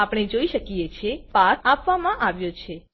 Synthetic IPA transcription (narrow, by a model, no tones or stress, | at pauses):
apɽ̃ed͡ʒoiʃəkijet͡ʃʰepasapʋamãʔaʋjot͡ʃʰe